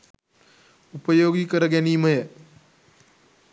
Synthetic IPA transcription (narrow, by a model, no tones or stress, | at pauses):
upəjoɡiːkəɾəɡɛniːməje